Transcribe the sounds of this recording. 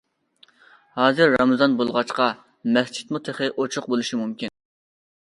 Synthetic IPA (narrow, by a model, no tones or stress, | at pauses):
hɑːzɨɾːɑmɨzɑnbolˠʁɑt͡ʃqɑ | mɛst͡ʃʰi̥t̪mut̪ʰeχɪʔot͡ʃʰʊqbolˠuʃimumkʲin